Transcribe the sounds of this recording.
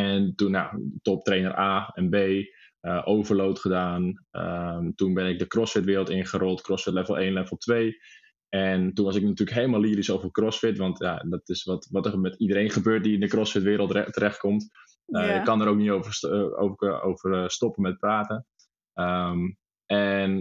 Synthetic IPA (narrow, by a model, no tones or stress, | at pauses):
ɛntunja̰tɔp̚treːnərʔaːɛnbeː | əʔoːvərloːtχədaːnə̰tunbɪnɪk̚dəkrɔsfɪtʋɪːɾlˠtɪnχəɾɔlˠtkrɔsfɪtlɛfəlˠeːnlɛfɔp̚tʋeː | ɛntunʋɑs̬ɪk̚natyːləkɦejlˠmalˠiːəɾisowvərkrɔsfɪtʋɑntʰjadɔtɪsʋɔtʋɔtəmɛtidəɾeːnχəbøːt̚diɪndəkrɔsfɪtʋɪːɾəlˠttəɾɛχt̚kɔmt | əɪkɑndəɾoːkniovəo̰o̰vərstɔpəmɛt̚praːtə | əm | ɛn